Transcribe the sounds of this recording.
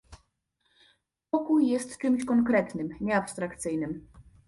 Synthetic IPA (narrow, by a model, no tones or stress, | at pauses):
pɔkujːɛst̪t͡ʂɘmɕkɔŋkɾɛt̪nɘmɲɛapst̪ɾakt̪sɘjnɘm